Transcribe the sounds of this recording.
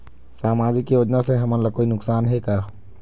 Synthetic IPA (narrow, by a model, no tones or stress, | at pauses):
saːmaːd͡ʒɪkːijoːd͡ʒnaseɦɐmə̃nlakoːinʊksaːnɦɛkaː